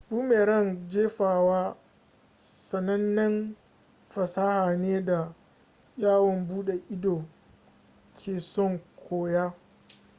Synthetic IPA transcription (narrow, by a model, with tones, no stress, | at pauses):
ɗuː˦meː˨ɾɐ˦˨nd͡ʒeː˦ɸaː˨waː˦ | sɐ˨nɐ˦nːɐ˦n | ɸɐ˨saː˦haː˨neː˦da˨ | jaː˦wɔ˨mbuː˦ɗe˨ʔɪ˦doː˨ | kʲʰeː˨sɔ˦˨ŋkʷʰoː˨jaː˦